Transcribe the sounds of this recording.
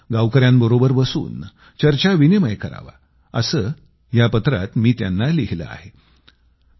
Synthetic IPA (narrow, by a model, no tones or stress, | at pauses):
ɡawkəɾjambəɾobəɾbəsṵːn | t͡ɕəɾt͡ɕaʋineməjkəɾa̰ʋa̰ | əsəː | japət̪ɾa̰t̪miːt̪janːaliɦilə̰a̰he